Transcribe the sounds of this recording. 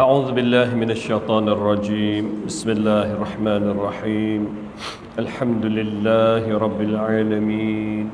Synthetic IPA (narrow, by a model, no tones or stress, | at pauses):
ʔaʕuːðʊbɪlːaːɦmɪnaʃːajt̪ˤɑːnʔɑrˤːɑd͡ʒiːmbɪsmɪlːaːhʔɑrˤːɑħmaːnʔɑrˤːɑħiːm | ʔalħamd̪ʊlɪlːaːhɾˤɑbːɪlʕaːlamiːn